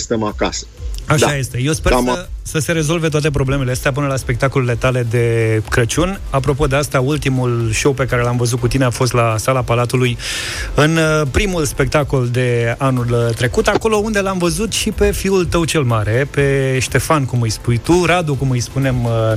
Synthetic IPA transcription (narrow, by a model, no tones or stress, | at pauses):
st̪emaka̰sə̥aʃaje̞st̪e̞je̞wspesəse̞ɾe̞zo̞lve̞t̪oat̪ep̬ɾo̞ble̞me̞least̪ap̬ɨnəlaspe̞k̚t̪akole̞le̞t̪ale̞d̪e̞kɾət͡ʃunʲ | ap̬ɾo̞p̬o̞d̪e̞ast̪ault̪imulʃo̞wpe̞kaɾe̞lamvəzut̪̚kut̪ine̞afo̞s̬t̪lasalapalat̪uluj | ɨnpɾimulspe̞k̚t̪ako̞ld̪e̞anult̪ɾe̞kut̪ako̞lo̞und̪e̞lamvəzut̪ʃipe̞fiult̪əwt͡ʃe̞lmaɾe̞pe̞ʃt̪e̞fankumɨjspujt̪uɾad̪ukumɨjspune̞m